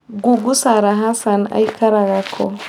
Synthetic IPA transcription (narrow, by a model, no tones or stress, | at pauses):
ɡuɡusaɾaɦasana̰jkʰaɾaɣakʰɔ̰